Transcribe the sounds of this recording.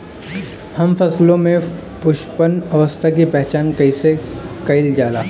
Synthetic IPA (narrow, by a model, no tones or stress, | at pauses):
hɐmfɐslõmẽ | pʊʃpənɐʋəst̪ʰak̬ipɛɦt͡ʃaːnkɐisekɐɪld͡ʒaːla̰ː